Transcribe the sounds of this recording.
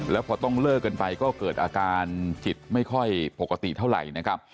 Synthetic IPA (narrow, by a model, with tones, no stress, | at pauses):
lɛː˦˥wpʰɔː˧t̪ɔ˥˩ŋlɤː˥˩kːa˧npa˧jkɔː˥˩kɤː˨˩t̪̚ʔaː˧kaː˧npʰi˨˩t̪̚ma˥˩jkʰɔ˥˩jpo˨˩kːa˧t̪ḭ˨˩t̪ʰa˥˩wɾa̰˨˩jna˦˥kʰa˦˥p̚